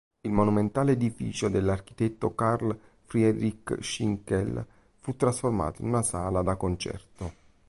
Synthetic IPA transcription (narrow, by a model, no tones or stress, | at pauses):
ilmonument̪aːleːd̪ifḭːt͡ʃod̪elːark̟i̥t̪ɛt̪ːokarl | fɾiɛɾikʃiŋkɛl | fut̪ːɾasforma̰ːt̪oḭnunasaːlad̪akont͡ʃɛ̰rt̪o